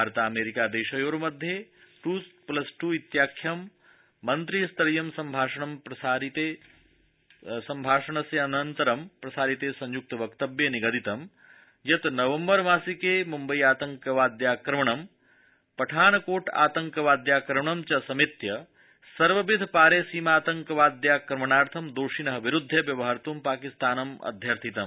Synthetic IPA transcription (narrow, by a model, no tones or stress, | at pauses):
bʱaːɾɐt̪aːmeːɾikaːd̪eːʃɐjoːɾmɐd̪ʱjeʈuːsplɐsʈuit̪jaːkʰjɐmː | ɐnt̪ɾist̪ɾɐjɐmsɐmbʱaːʂɐɳɐmpɾɐsaːɾit̪eː | sɐmbʱaːʂɐɳɐsjɐːnɐnt̪ɐɾɐmpɾɐsaːɾit̪eːsɐ̃ɲjuk̚t̪ɐʋɐkt̪ɐbjeniɡɐd̪it̪ɐm | jɐt̪nɐʋɐmbɐɾmaːsikeːmumbɐjiaːt̪ɐŋkɐʋaːd̪jaːkɾɐmɐɳɐm | pɐʈʰaːnɐkoːʈa̰ːt̪ɐŋkɐʋaːd̪jaːkɾɐmɐɳɐmt͡ʃɐsɐmit̪jɐ | sɐɾʋɐbid̪ʱpaːɾeːsiːmaːt̪ɐŋkɐʋaːd̪jaːkɾɐmɐɳaːɾt̪ʰɐmd̪oːʂinɐɦɐʋiɾud̪ʱːjɐʋjɐʋɐɦɐɾt̪uːmpaːkist̪aːnɐmɐ̰d̪ʱjɐɾt̪ʰit̪ɐm